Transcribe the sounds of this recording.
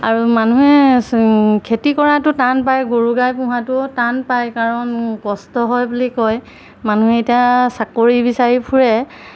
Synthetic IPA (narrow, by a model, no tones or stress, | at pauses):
aɹumanuɦɛ | kʰetikɔɹatʊtanpajɡoɹuɡajpʊ̃ɦatʊtanpajkaɹɔnkɔstɔɦɔjbulikɔj | manuɦɛetijasakoɹibisaɹipʰuɹɛ